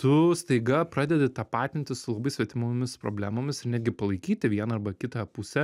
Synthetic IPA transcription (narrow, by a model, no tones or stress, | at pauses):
t̪ʊst̪ɐɪɡɐpɾɑːd̪ʲɛd̪ʲɪt̪ɑːpɑːt̪ʲɪnʲt̪ʲɪsʊlˠɐbɐɪsʲʋʲɛt̪ʲɪmoːmʲɪspɾo̰ːbʲlʲæːmoːmʲɪsɪɾnʲæd̪ʲɡʲɪpɐlˠɐɪkʲiːt̪ʲɪʋʲiɛnɐɐrbɐkʲɪt̪ɑpʊsʲɛ